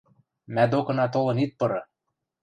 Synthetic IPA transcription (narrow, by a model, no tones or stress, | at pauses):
mæd̪okɤ̆nɑt̪̬olɤ̆nit̪̚pɤ̆ɾɤ̆